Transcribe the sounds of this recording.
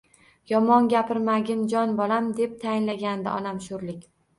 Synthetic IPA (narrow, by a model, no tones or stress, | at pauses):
jɒmɒnɡʲapʰɪɾmaɡʲɪnd͡ʒɒnbɒlamd̪e̞p̚t̪ʰajɪnlaɡʲand̪ɪ̰ʔɒ̰namʃʊɾlɪkʲ